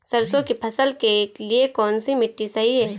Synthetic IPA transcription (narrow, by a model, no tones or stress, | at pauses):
sɐɾsõkipʰɐsəlkeːkliekɔːnsimɪʈːisɐɦiɦɛː